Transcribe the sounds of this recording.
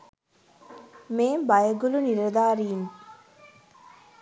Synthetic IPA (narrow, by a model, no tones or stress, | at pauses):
meːmbɐjəɡuluniɾɐd̪aːɾiːm